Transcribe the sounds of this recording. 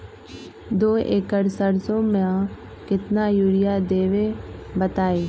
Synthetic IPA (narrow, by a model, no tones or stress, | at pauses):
d̪oːeːkəɾsəɾsõm̃ | kɪt̪najuːɽɪjad̪eːʋebət̪aːeː